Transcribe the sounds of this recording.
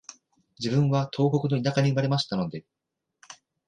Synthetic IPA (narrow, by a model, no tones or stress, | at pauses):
d͡ʑibɯ̟̃ɰ̃βat̪ʰo̞ːko̞kɯ̟no̞inakaɲ̟iɯmaɾe̞maɕi̥t̪ano̞d̪e̞